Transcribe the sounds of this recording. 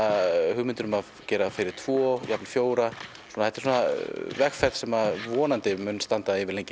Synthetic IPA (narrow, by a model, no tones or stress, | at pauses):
ahʏɣmɪnt̪ʏɾʏmað | cɛːɾafɪɾɪɾ̥t̪ʰv̥ɔːjaplfjoːwɾa | sɔnaɛht̪ɛ̥ɾsuːnavɛxfɛɾt̪sɛmaðvɔːnant̪ɪmʏnːst̪ant̪aɪvɪɾlejɲcɪ